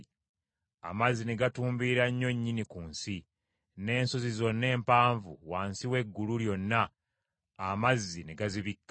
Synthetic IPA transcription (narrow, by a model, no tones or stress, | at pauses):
a̰mazːine̞ɡatuːmbiɾaɲːo̞ɲːinikuːnsi | ne̞ːnso̞zizo̞nːe̞ːmpaːɱvṵwaːnsiwe̞ɡːuluɾjo̞nːaː | mazːine̞ɡaziβikː